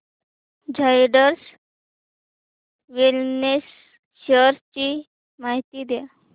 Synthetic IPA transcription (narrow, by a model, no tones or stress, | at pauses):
d͡ʑʱajɖəɾs | ʋilnes | ɕəɾst͡ɕi | maɦt̪iːd̪ja